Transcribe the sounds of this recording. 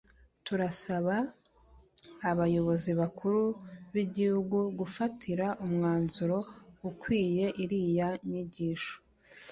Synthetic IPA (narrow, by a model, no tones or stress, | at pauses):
tuɾasaβa | βajo̞βo̞ziβakʰuɾuβiɟihuɡuɡufatʰiɾaʔumŋaːnzuɾo̞ɡukwiːje̞ʔiɾijaɲiɟiːʃo̥